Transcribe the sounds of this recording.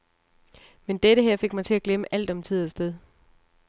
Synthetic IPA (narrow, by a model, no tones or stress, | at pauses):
mend̥eɾəɦeɐ̰fe̝ɡ̥̚mɑ̈ɪt͡sʰe̝læɡ̥leməʔæl̰d̥ɒ̽mt͡sʰið̞̰ˠɐsd̥eð̞ˠ